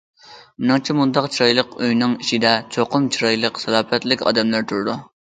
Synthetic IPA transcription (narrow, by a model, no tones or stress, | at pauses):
mɪnɨŋt͡ʃʰimund̪ɑqt͡ʃʰiɾɑjlˠəqøjnɨŋiʃid̪ɛt͡ʃʰoqʰʊmt͡ʃʰiɾɑjlˠəqsɛlˠɑːpɛt̪lɪkʲɑ̰ːd̪ɛmlˠæɾt̪ʰuɾd̪u